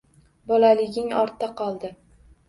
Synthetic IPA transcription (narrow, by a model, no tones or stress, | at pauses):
bɒlalɪɡʲɪŋɒ̰ɾt̪ːaqʰɒlˠd̪ɪ